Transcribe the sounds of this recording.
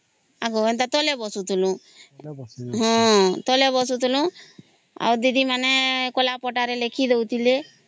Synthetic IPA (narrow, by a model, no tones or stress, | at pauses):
aɡoent̪at̪ɔlebɔsut̪ʰulũ | ɦɔ̃t̪ɔlebɔsut̪ulũ | a̰uɾd̪id̪imanɛkolapɔʈaɾelekʰid̪ewt̪ʰile